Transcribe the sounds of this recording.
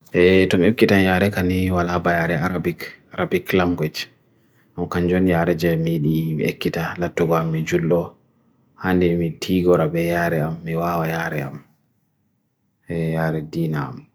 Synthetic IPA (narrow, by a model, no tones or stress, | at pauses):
ʔɛtɔmiekːitanjaːɾɛkaniwalabajaɾɛaɾabikaɾabiklamɡɛt͡ʃ | ʔamkaɲd͡ʒɔnjaːɾɛd͡ʒɛmiɗimiḛkːitalatːuɡɔamːid͡ʒulːɔ | handɛmitʰiɡɔɾabɛjaːɾɛamːiwaːwajaːɾɛa̰m | ɛjaːɾɛdiːnaa̰m